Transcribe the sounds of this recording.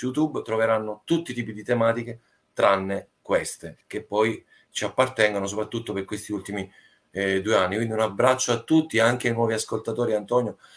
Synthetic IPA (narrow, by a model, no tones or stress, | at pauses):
jut̪ubt̪ɾoveɾanːot̪ut̪ːit̪iːpid̪it̪emaːt̪ik̟e | t̪ɾanːe | kwest̪ek̟epːɔj | t͡ʃiapːart̪ɛŋɡonos̬opɾat̪ːut̪ːoperkːwest̪iult̪imi | d̪uːeanːikwind̪iunabɾat͡ʃːoat̪ːut̪ːieaŋk̟eajnwɔːviaskolt̪at̪oːɾiant̪ɔnjo